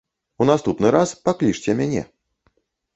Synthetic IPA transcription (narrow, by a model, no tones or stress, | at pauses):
unast̪upnɨɾaspaklʲiʂt͡sʲɛmʲanʲɛ̰